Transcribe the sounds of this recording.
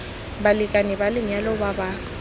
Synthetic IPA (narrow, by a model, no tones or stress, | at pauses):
balɪkʼanɛbalɪɲalɔbaba